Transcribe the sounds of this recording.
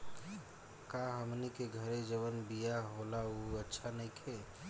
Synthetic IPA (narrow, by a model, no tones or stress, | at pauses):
kaɦəmnikeɡʱəɾed͡ʒəʋənbijaɦolauətːʃʰanəikʰe